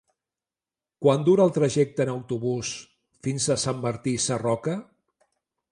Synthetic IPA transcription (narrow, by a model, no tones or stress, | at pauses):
kwand̪uɾəːlˠt̪ɾəʒɛk̚t̪əːnəwt̪uβus | finzəsamːəɾt̪isərɔkə